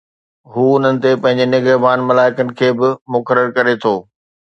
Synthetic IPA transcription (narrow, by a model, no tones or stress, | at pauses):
ɦuːʊn̤ənɪ̆t̪epɐ̃ɦɪ̃ɲd͡ʑenɪɡəɦbaːnmɐlaːɪkənɪ̆kʰeːbɪmʊkəɾəɾkɐɾet̪ʰoː